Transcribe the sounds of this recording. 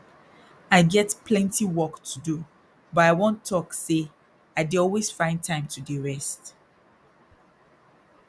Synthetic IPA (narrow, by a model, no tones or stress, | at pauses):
aɪɡɛtpʰlɛ̃ntiwɔktʰudu | bʌtaɪwɔ̃ntʰɔkse | aɪdiɔlwesfãɪ̃ntʰãɪ̃mtʰudiɹɛst